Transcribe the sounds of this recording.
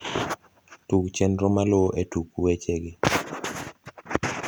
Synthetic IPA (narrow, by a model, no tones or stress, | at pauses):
tukt͡ʃenɾomaloʔetukuwet͡ʃeɡe